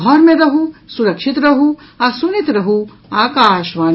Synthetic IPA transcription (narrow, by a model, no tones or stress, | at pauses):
ɔːɾmẽɾɐɦusuɾɐkʃit̪ɾɐɦu | asunit̪ɾɐɦu | aːkaːʃʋaːn